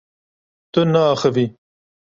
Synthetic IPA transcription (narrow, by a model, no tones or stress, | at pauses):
t̪ənaːxawi